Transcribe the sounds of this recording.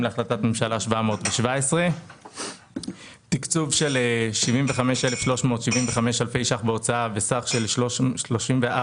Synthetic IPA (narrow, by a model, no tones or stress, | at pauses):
mleaχlatatmemʃalaʃvamo̞ːtveʃvaesʁe̞ | t̪ikt͡suvʃe̞leʃivimve̞χameʃelefʃlo̞ʃmo̞t̪ʃivimveχame̞ʃalfe̞jʃaχbeo̞t͡saavesaχʃe̞lʃʃloʃimvea